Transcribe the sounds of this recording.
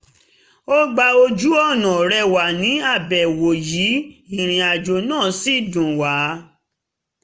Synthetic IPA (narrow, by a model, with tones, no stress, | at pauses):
o˦ɡ͡ba˧o˧d͡ʒu˦ɔ˦˨nã˨ɾɛ˧wa˨nĩ˨˦a˦˨bɛ˨wo˨jiː˨˦i˦˨ɾ̃ĩ˨˧a˨d͡ʒo˧nãː˦˨si˦˨dũ˨wa˨˦